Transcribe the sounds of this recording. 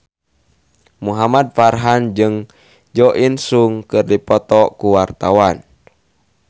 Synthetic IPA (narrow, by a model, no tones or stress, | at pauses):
muɦamad̪̚farɦand͡ʒɨŋ | d͡ʒɔʔinsuŋkɨrdipɔt̪ɔkuwart̪awan